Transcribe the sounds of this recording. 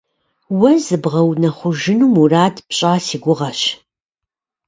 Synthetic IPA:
wɐzɨbʁɐwnɐχʷʊʒɪnuːmuraːdpɕʼaːsiːɡʷʊʁɐʃ

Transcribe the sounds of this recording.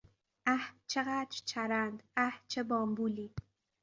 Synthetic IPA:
ʔæht͡ʃʰeɣæːd̪ɾt͡ʃʰæɾænd̪æht͡ʃʰebɒːmbuːliː

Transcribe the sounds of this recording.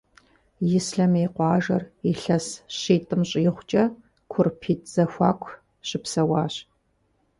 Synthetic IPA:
jɪsɬɐmeːqʷɑːʒɐriɬɐsɕiːtʼɨmɕʼjɪχʷt͡ʃʼɐ | kʷʰʊrpʰiːtʰʼz̥ɐxʷɑ̰ːkʷʰ | ɕʼɪpsɐwɑːɕ

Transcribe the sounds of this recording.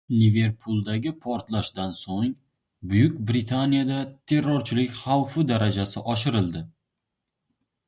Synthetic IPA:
nɪve̞ɾpʰulˠd̪aɡʲɪpʰɒɾt̪laʃd̪ansoŋ | bʊjʊkʲbɾɪt̪ʰanijad̪at̪ʰe̞ɾːɒɾt͡ʃʰɪlɪkʲχawfɪd̪aɾad͡ʒasɪʔɒʃ̬ɪɾɪlˠd̪ɪ

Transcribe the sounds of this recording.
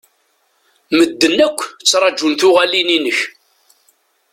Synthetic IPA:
məd̪ːənækʷːt͡sːɾˤɑd͡ʒunθʊʁælininəç

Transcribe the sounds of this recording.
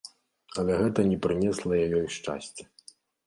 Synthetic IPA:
ɐlʲɛɣɛt̪ɐnʲɛpɾɨnʲɛslˠɐjajɔjʂt͡ʂa̰sʲt͡sʲɛ̥

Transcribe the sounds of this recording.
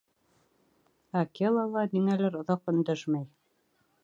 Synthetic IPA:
ɐkʲelˠɑlˠɑd̪iŋælæɾŏðɑqɵ̆nd̪æʃmæj

